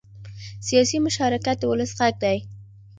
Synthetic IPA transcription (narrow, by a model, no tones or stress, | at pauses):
sijɑsimʊʃɑɾɪkat̪̚əwʊləsɣaɡ̚d̪aj